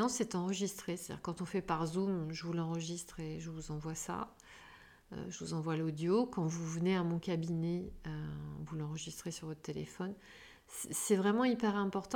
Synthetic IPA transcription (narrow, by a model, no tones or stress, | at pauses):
ɑ̃sɛt̪ɑ̃ʁəʒist̪χeset̪ad̪ḭʁkɑ̃t̪ɔ̃fɛpaʁzumʒəvulɑ̃ʁəʒist̪χeʒəvuzɑ̃vwasa̰ | ø̰ʒəvuzɑ̃vwalod̪jokɑ̃vuvəneamɔ̃kʲabinɛøvulɑ̃ʁəʒist̪χesyʁvɔt̪χt̪elḛfɔn | sɛsɛvʁɛmɑ̃ipɛʁɛ̃pɔʁt̪ɑ̃